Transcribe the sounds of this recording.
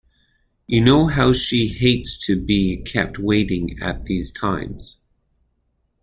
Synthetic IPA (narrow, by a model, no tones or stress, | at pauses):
jɨnoʊɦaʊʃiheɪtstʰɨbikʰɛ̰p̚t̚weɪɾɪ̃ŋɨ̰t̪̚ðiz̥tʰãɪ̃mz̥